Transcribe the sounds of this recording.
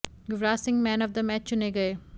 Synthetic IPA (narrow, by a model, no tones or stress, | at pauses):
ɡʊʋɾaːsɪ̃ŋɡmɛ̃ːnɔʋd̪əmɛːt͡ʃt͡ʃʊneɡɐeː